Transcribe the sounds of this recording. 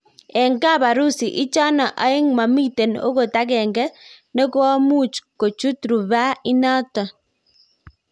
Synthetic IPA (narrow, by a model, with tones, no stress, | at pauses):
ɛ˨ŋɡa˦˨ba˨ɾu˦si˨ʔɪ˦t͡ʃa˦na˨ʔa˨˦ɪ˦ŋma˨mi˦te˨no̰˦ko˨ta˦kɛ˨ŋɡɛ˦ | nɔ˦kɔ˦ɔ˦mu˦t͡ʃko˨t͡ʃu˦tɾu˨βa˦ɪ˦na˦tɔ˨